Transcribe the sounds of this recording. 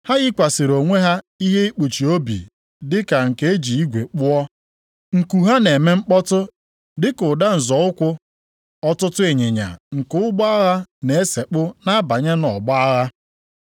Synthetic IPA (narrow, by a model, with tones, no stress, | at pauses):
ha˦ɣɪ˦kʷa˨sɪ˨ɾo˨ŋʷe˦ɦa˦ | i˦ɦe˦i˦k͡pu˨t͡ʃi˨o˦bḭ˨ | dɪ˦ka˨ŋ̩˨ke˦e˦d͡ʒi˨i˦ɡʷe˨k͡pʊ˦ɔ˦ | ŋ̩˨ku˨ɦa˦ne˨me˦ŋ͡m̩˦k͡pɔ˦tʊ˦ | dɪ˦kʊ˨da˦n̩˨zɔ˨ʊ˦kʷʊ˦ | ɔ˦tʊ˦tʊ˦e˨ɲe˨ɲa̰˨ŋ̩˨kʊ˦ɡ͡bɔ˦a˦ɣa˦ne˨e˦se˨k͡pʊ˦na˦ba˨ɲe˦nɔ˨ɡ͡bɔ˦a˦ɣa˦